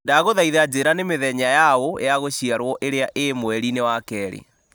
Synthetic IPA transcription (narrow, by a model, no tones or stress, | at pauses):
daɣoðaiðad͡ʑeɾanemeðɛɲajaoj̰aɣoɕiaɾwɔʔeɾeaʔemwɛɾinewakɛːɾḛ